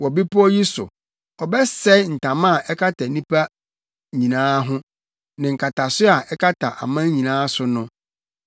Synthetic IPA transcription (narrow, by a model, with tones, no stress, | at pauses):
wɔ˨bi˦pʊ˦ɔ˦ji˦sʊ̰˨ | ɔ˨bɛ˦sɛ˦n̩˨tʰã˨mã˦˨ʔɛ˦kʰa˦tʰa˨nĩ˦pʰa˦ | ɲĩ˨nãː˦ɦʊ̃˦ | nɪ̃˨ŋ̩˨kʰa˨tʰa˨sʊ˦a˨ʔɛ˦kʰa˦tʰa˨ʔa̰˨mã˦ɲĩ˨nãː˦sʊ˨nʊ̃˦